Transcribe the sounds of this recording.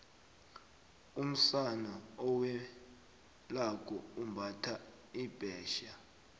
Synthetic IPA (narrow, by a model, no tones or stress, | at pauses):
um̩sanaɔwɛ | lak̬ʰʼɔumbʱatʰa | ib̥ʱɛːʃa